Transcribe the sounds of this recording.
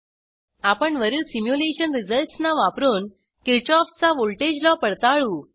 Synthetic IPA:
apəɳʋəɾiɭsimjuleɕənɾid͡zəlʈsnaʋapɾuːn | kiɾt͡ɕɔft͡saʋolʈed͡ʑlɔpəɽt̪aɭuː

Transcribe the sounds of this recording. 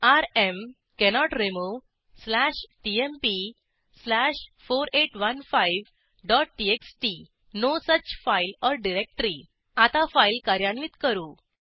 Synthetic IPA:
aɾem | kɛnɔʈɾemo | slæɕʈiempi | slæɕfoɾeʈʋənfajʋ | ɖɔʈ̚ʈieksʈi | nosət͡ɕfailɔɾɖiɾek̚ʈɾi | at̪afailkaɾjanʋit̪kəɾuː

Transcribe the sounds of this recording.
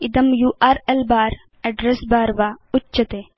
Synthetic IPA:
ɪd̪ɐmjuːʔaːɾelbaːɾ | ɛɖɾesbaːɾʋaːʊtːt͡ʃːɐt̪eː

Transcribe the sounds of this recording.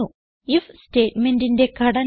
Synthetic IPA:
u | ifsʈeːʈmeɳʈinɖekɐɽɐ

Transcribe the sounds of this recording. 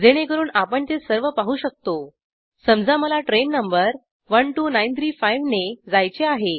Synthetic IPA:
d͡zeɽ̃ekəɾuːɳapəɳt̪esəɾʋəpaɦuːɕək̚t̪o | səmd͡zaməlaʈɾenːəmbəɾ | ʋəɳʈuːnajnt̪ʰɾiːfajʋned͡zajt͡seaɦe

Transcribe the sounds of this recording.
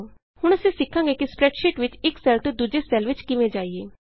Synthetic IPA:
hʊɽ̃əsĩːsɪkʰːãːŋɡeːkispɾɛːʈʃɪʈʋɪt͡ʃɪksɛːlt̪od̪uːd͡ʒeːsɛːlʋɪt͡ʃkɪʋẽːd͡ʒaːieː

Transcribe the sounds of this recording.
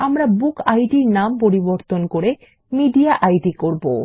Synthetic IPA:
amɾabukajɖiɾnampoɾiboɾt̪onkoɾe | miɖiaʔajɖikoɾbo

